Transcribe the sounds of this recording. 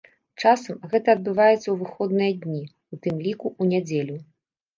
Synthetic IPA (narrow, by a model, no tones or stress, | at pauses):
t͡ʂasɐmɣɛt̪ɐːd̪̚bɨvajɛt̪sːɐwvɨxɔd̪nɨjɐd̪ʲnʲi | ut̪ɨmlʲikuʔunʲad͡zʲelʲu